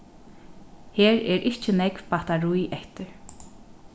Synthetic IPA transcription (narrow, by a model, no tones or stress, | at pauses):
heːɹɛɾʔɪht͡ʃɪnɛkv̥paht̪aɹujɛht̪ɪɹ